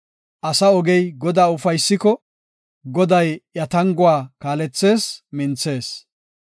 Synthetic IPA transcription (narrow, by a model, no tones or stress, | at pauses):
ʔɐsɐɔɡɛjɡɔd̪aːʊfɐjsːɪkɔ | ɡɔd̪ɐjjɐt̪ɐŋɡʊwaːkaːlɛt͡sːe̞ːsmɪnt͡se̞ːs